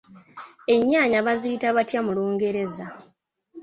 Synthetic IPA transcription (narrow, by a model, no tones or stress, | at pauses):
e̞ɲːaːɲaβaziitaβatjamuluːŋɡe̞ɾe̞za